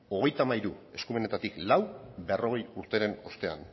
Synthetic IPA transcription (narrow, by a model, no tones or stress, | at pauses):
o̞ɣ̞e̞jt̪amaiɾue̞skumene̞t̪at̪iklawbe̞ro̞ɣ̞e̞juɾt̪e̞ɾe̞no̞st̪e̞a̰n